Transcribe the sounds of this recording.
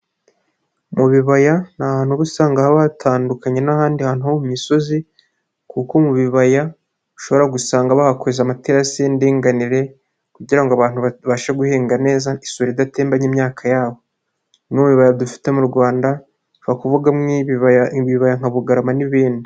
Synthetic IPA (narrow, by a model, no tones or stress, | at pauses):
muβiβajanahaːn̥huβusaːŋɡahaβatʰaːndukaɲe̞nahaːndihaːn̥uhomumiso̞zi | kukomuβiβaja | uʃo̞βo̞ɾaɡusaːŋɡaβahakozamateɾasendiːŋɡaniɾe̞ | kuɟiɾaŋɡoaβaːn̥huβaʃaɡuheːŋɡane̞ːzaisoɾidateːmbaɲimɲaːkʰajaːβo̞ | mŋimuβiβajadufi̥te̞muɾɡwaːnda | βakuvuɡaŋiβββiβajaŋ̥haβuɡaɾamaniβiːndi